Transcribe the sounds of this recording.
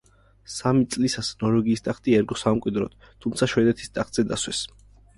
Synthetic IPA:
samit̪sʼlisasnɔɾɛɡiːst̪ʼaχt̪ʼiɛɾɡɔsamkʼwid̪ɾɔ̰t̪ | t̪ʰumt̪sʰaʃwɛd̪ɛt̪ʰi̥st̪ʼaχt̪ʼz̥ɛd̪aswɛs

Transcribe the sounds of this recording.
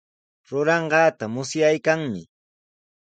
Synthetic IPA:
ɾʊɾɑɴɢɑːt̪amʊsjajkaŋmɪ̰

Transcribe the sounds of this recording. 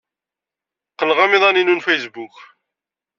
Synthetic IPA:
qːəlʁæmɪðˤɑninunfejsbuk

